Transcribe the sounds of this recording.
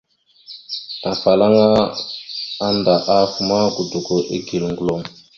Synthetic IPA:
a˨fa˨la˦ŋa˦ | a˦nda˨ʔa˦fu˨ma˦ɡu˨du˨ɡo˨ʔe˦ɡi˨lŋɡlo˨m

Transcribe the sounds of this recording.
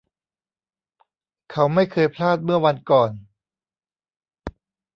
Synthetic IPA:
kʰa˦˥wma˥˩jkʰɤː˧jpʰlaː˥˩t̪̚mɯ˥˩ɐwa˧nkɔː˨˩n

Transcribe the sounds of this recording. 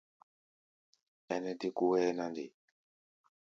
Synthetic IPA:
ɛ˦nɛ˦ti˦ku˦wɛː˦na˦ndi˨

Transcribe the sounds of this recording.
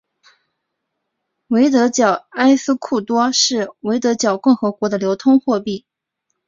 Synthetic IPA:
we˧˥ɪt̪̬ɤ˧˥t͡ɕjɑ˨˩ʊa˥ɪsɹ̩˥kʰu˥˩t̪wɔ˥ʂɻ̩˥˩we˧˥ɪt̪ɤ˧˥t͡ɕjɑ˨˩ʊkʊ˥˩ŋxɤ˧˥kwɔ˧˥d̪ə˧ljo˧˥ʊt̪ʰʊ˥ŋxwɔ˥˧pi˥˩

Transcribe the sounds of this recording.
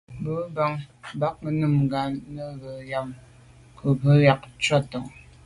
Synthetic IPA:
bə˨˦ba˨ŋba˦k̚mə˨nɨ˦˨mɡa˨nnə˦ɣə˨ja˨m | kʰə˨pə˦ja˨k̚t͡ʃa˦tɔ˨ŋ

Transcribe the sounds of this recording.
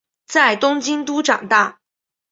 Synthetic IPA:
t͡sa˥˩ɪt̪ʊ˥ŋt͡ɕi˥ŋt̪u˥ʈ͡ʂɑ̰˨˩ŋt̪a˥˩

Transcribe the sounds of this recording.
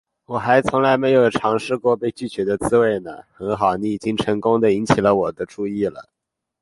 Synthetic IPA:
wɔ˨˩xa˧˥ɪt͡sʰʊ˧˥ŋla˧˥ɪme˧˥ɪjo˨˩ʊʈ͡ʂʰɑ˧˥ŋʂɻ̩˥˧kwɔ˥˧pe˥˧ɪt͡ɕy˥˩t͡ɕɥɛ˧˥d̪ə˧t͡sɹ̩˥we˥˩ɪnə˩xə˧˥nxɑ˨˩ʊni˧˥i˨˩t͡ɕi˥ŋʈ͡ʂʰɤ˧˥ŋkʊ˥ŋd̪ə˨i˧˥ŋt͡ɕʰi˨˩lə˦wɔ˨˩d̪ə˦ʈ͡ʂu˥˧i˥˩lə̰˩

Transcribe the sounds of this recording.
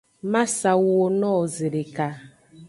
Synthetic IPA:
ma˦sa˨wo˦nɔː˦˨zɪ˨ɾe˨ka˦

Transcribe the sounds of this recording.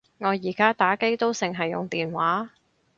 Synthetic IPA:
ŋɔː˨˧jiː˨˩kaː˥t̪aː˨˥ke˥jt̪o˥wsɪ˨˩ŋɦɐ˨jːʊ̰˨ŋt̪iː˨nwaː˨˥

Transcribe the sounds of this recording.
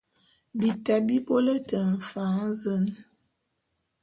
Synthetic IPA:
bi˨ta˨bi˦bo˦lə˦tə˨ɱ̩˨fa˨˦ŋ˦zə˦n

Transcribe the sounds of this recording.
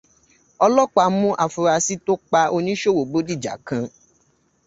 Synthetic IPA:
ɔ˧lɔ˦k͡pa˧˨mũ˦ʔa˨fu˧ɾa˧si˦to˦k͡pa˧o˧nĩ˦ʃo˦wo˨bo˨˦di˦˨d͡ʒa̰˨kã˧

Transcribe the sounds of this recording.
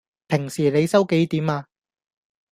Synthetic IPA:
pʰɪ˨˩ŋsiː˨˩le˨˧jsɐ˥wke˨˥jt̪iː˨˥maː˧

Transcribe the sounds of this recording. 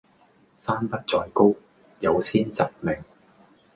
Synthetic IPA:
saː˥npɐ˥t̚t͡sɔː˧jko˥w | jɐ˨˧wsiː˥nt͡sɐ˨k̚mɪ˨˩ŋ

